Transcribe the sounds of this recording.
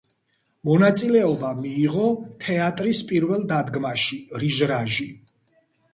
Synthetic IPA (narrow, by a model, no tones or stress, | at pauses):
mɔnat̪sʼilɛɔbamiːʁɔt̪ʰɛat̪ʼɾispʼiɾvɛlˠd̪ad̪ɡmaʃiɾiʒɾaʒi